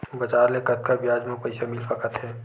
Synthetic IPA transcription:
bɐt͡ʃaːɾlekət̪̚kabjaːd͡ʒmẽpɐɪsamɪlfəkət̪ɦɛː

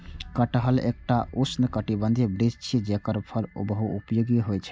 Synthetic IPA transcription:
kəʈəɦəlḛk̚ʈausnəkəʈibə̃nd̪ʱibɾid͡ʒt͡ʃʰid͡ʒekəɾpʰəɾo̰bəɦuṵpjoɡiɦojt͡ʃʰɛ̥

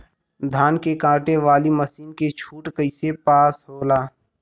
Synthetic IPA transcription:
d̪ʱaːnkekãːʈeʋaːliməsiːnket͡ʃʰuːʈkəɪsepaːsɦoːlaː

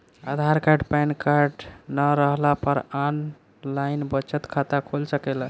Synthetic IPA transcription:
ad̪ʱaɾkaɾɖpajnkaɾɖnəɾəɦlapəɾan | lajnbət͡ʃət̪kʰat̪akʰolsəkɛla

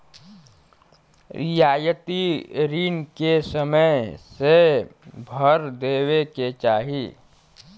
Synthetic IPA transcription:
ɪjaːjət̪iɾiːnkesəməjse | bʱəɾd̪eːweket͡ʃaːɦi

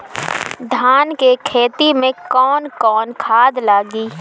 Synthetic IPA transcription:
d̪ʱaːnkekʰeːt̪imẽkɔːnkɔːnkʰaːd̪laːɡiː

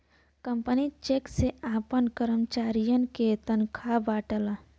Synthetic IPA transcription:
kəmpənit͡ʃekseaːpənkəɾəmt͡ʃaːɾijənket̪ənkʰabaːʈəla

